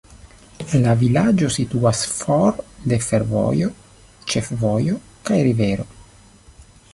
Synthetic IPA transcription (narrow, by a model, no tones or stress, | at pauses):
lavilad͡ʒo̞sit̪uasfoɾd̪e̞feɾvo̰jo | t͡ʃefvojo | kajɾiveɾo̞